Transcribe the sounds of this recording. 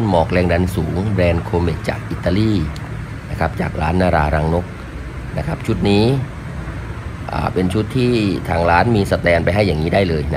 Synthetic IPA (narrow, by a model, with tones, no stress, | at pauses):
nmɔː˨˩k̚lɛː˧ŋda˧nsuː˩˦ŋbɾɛː˧nkʰoː˧meː˨˩t̚t͡ɕa̰ː˨˩k̚ʔiː˨˩t̪ːaː˧liː˥˩ | na˦˥kʰa˦˥p̚t͡ɕa̰ː˨˩k̚ɾa̰ː˦˥nːaː˧ɾa̰ː˧ɾaː˧ŋno˦˥k̚ | na˦˥kʰa˦˥p̚t͡ɕʰu˦˥t̪̚niː˦˥ | ʔa̰ː˨˩pe˧nt͡ɕʰu˦˥t̪ʰːiː˥˩t̪ʰaː˧ŋɾaː˦˥nmiː˧sa˧t̪ɛː˧npa˧jɦa˥˩jːaː˨˩ŋːiː˦˥daː˥˩jlɤː˧jn˦˥